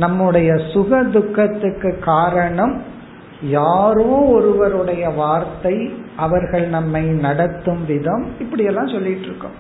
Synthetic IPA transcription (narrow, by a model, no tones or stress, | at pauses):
nɐmːɯɽɐjɐsʊɣɐd̪ʊkːɐt̪ːɯkːɯkːaːɾɐɳɐm | jaːɾɯõːɔɾɯʋɐɾɯɽɐjɐʋaːɾt̪ɐɪʔɐʋɐɾɣɐɭnɐmːɐɪnɐɽɐt̪ːɯmʋɪðɐmɪpːɐɽɪjɛlːãːsɔlːɪʈːɾɯkːɯ̰mm